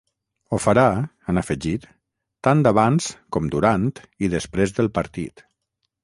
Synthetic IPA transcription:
ofaɾa | ənafəʒit̪ː | and̪aβanskɔmd̪uɾant̪ | iðəspɾezðəlˠpəɾt̪ḭt̪

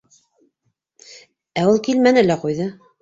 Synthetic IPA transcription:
æulˠkilmænɘlæqujðɤ

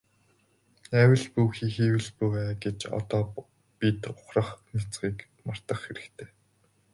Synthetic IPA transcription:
æwɘ̆ɮpuxiːxiːwɘ̆ɮpuwæːɡet͡ɕɔ̰t̪ɔː | pit̪ʊχrə̆χnit͡sɢiːk | mar̥t̪ə̆χxeɾɘ̆kt̪ʰeː

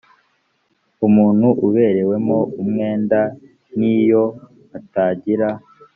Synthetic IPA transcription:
umuːn̥huʔuβe̞ːɾe̞we̞mo̞umŋe̞ːnda | nijo̞ | ataːɟiɾa

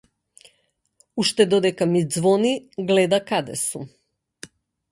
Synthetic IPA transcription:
uʃt̪ɛd̪ɔd̪ɛkamid̪zvɔniɡlɛd̪akad̪ɛ̰sum

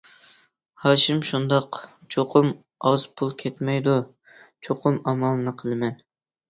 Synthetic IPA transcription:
hɑːʃimʃund̪ɑq | t͡ʃʰoqʰʊm | ɑz̥pʰulˠkʲʰɛt̪mɛjd̪u | t͡ʃʰoqʰʊmɑmɑlˠɨnɨqʰəlˠɨmɛn

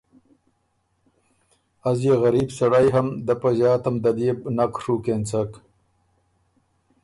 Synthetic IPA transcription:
azjeɣɐɾiːbsɐɽajɦɐmd̪apaʑɑːt̪ɐmd̪ɐd̪eːbnakʂukent͡sak

